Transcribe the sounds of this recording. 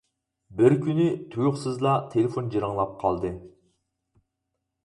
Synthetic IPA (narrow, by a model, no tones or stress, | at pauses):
bɪɾkʲʰynɪt̪ʰujʊχsɨzlˠɑt̪ʰelefond͡ʒiɾɨŋlˠɑp̚qʰɑ̰lˠd̪ɨ